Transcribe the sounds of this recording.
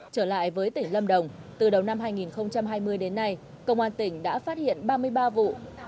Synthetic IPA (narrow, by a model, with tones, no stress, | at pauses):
t͡ɕəː˧˩la̰ː˧˨jvəː˨˦jt̪ï˧˩ŋ̟lə˧mɗə˨˩wŋ͡mt̪ɨ˨˩ɗə˨˩wna˧mɦaː˧jŋi˨˩nxə˧wŋ͡mt͡ɕa˧mɦaː˧jmɨ˧əjɗe˨˦nːa˧j | kə˧wŋ͡mʔaː˧nt̪ï˧˩ŋ̟ɗa̰ː˧˥faː˦˥t̚hḭ˧˨ənɓaː˧mɨ˧əjɓaː˧vṵ˧˨